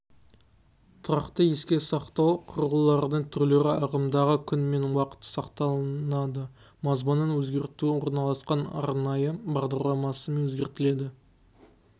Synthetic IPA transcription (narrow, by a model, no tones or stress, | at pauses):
t̪ʰʊɾɑqt̪əje̞skʲe̞sɑqt̪ɑwqʰʊɾəlˠəlˠːɑɾd̪əɴt̪ʰʏɾle̞ɾɪɑʁəmd̪ɑʁəkʲʰʏnme̞nwɑqə̥t̪ə̥sɑqt̪ɑlˠnɑd̪ə | mɑzmənːənwɵzɡʲe̞ɾt̪uɪwo̞ɾnɑlˠɑsqɑnɑ̰ɾnɑjəbɑʁd̪ɑɾlˠɑmɑsəme̞nwɵzɡʲe̞ɾt̪ɪle̞d̪ɪ